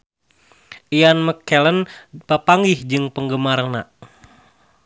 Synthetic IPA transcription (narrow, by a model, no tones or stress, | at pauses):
ʔianməkːɛlənpapaŋɡihd͡ʒɨŋpəŋɡəmarna